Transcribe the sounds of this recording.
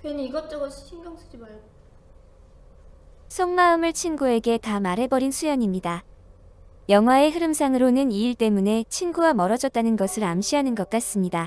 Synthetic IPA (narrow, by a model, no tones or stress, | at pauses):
kweniɡʌt͡ɕ͈ʌɡʌsʰiɕʰinɡjʌŋsʰu̥d͡ʑibajo | sʰoŋmaɯmɯɭt͡ɕʰinɡue̞ɡe̞tamaɾɦe̞bʌɾinsʰujʌɲimɲida | jʌŋɦwae̞ɦɯɾɯmsʰaŋɯɾonɯniiɭt͈e̞mune̞t͡ɕʰinɡuwamʌɾʌd͡ʑʌt̚t͈anɯnɡʌsʰɯɾamɕʰiɦanɯnɡʌk̚k͈as͈ɯmɲida